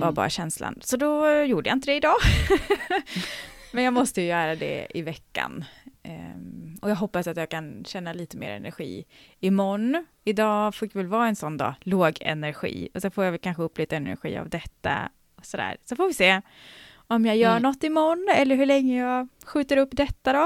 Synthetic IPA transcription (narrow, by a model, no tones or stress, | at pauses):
vaɾbɑ̰ːɾa̰ɕɛnsla̰nsɔd̪ɔjuːɖəjaɪnt̪əd̪ɛɪd̪ɑː | mɛnjɑːɡmɔst̪əjɵjœːɾad̪ɛ̰ɪ̰vɛkːa̰n | ɔjɑːɡɦɔpːasat̪jɑːɡkʰanɕɛnːaliːt̪əmḛːɾɛ̰næ̰ɾɧḭːɪmɔnː | ɪd̪ɑːfoːd̪ɛvɛlvɑːɛnsɔnːd̪ɑ̰ːloːɡɛ̰næɾɧḭːɔsɛnfoːɾjavɛlkʰanɧəɵpːliːt̪aɛnæ̰ɾɧḭːa̰vd̪ɛt̪ːa̰ | ɔsɔd̪æ̰ːɾsɔfoːɾvɪseː | ɔmjɑːjœːɳɔt̪ːɪmɔnːɛlːəɾɦɵɭɛŋːəjɑɡ | ɧʉ̟ːt̪əɾɵpːd̪ɛt̪ːad̪ɔ